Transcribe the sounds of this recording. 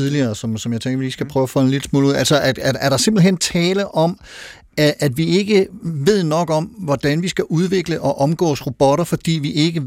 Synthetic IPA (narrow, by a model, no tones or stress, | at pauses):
iðˠliɐːsɒ̽msɒ̽mjɑ̈ɪt͡seŋɡɐʋiliːsɡ̥æpʰʁœːʊɐfɒ̽lenlel̥əsmo̰ːluðˠælsɐʔæ̥ææɐɾ̥ɑ̈se̝mb̥l̩hent͡sʰɛːləʔɒ̽m | æʔæd̥ʋie̝ɡ̥əʋe̝ð̰ˠnɒ̽ɡ̥ɒ̽mʋɒd̥ænʋisɡ̥æʔuð̞ˠʋe̝ɡ̥ləʔɒ̽ʔɒ̽mɡ̥ɔ̰ːsʁo̝b̥ɒɾ̥ɐfɒ̽d̥ḭːʋiʔe̝ɡ̥ə